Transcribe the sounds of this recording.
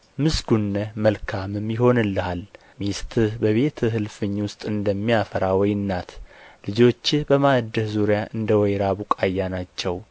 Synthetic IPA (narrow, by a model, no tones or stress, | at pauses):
mɨsɡunːəməlkʰamɨmjɪho̞nɨlːəhal | mist̪ʰɨbəβe̞t̪ʰɨɦɨlfɨɲːwʊst̪ʼɨnd̪əmːijafəɾawɔjɨnːat̪ʰlɨd͡ʒo̞t͡ʃːbəmad̪ːəhzuɾjaʔɨnd̪əwɔjɾaβukʼajːanat͡ʃːɛw